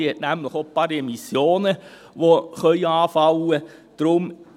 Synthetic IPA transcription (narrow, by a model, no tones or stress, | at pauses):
hɛt̪næmləχopɑːɾɛmɪsjoːnə | ʋoχœʏəɑːfɑwə | d̪̥ɾʊm